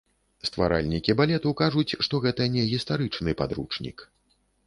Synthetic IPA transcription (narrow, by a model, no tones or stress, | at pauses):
st̪va̰ɾa̰lʲnʲikʲibalʲɛt̪ukaʐut͡sʲʂt̪ɔɣɛt̪ɐnʲɛɣʲist̪aɾɨt͡ʂnɨpad̪ɾṵt͡ʂnʲḭk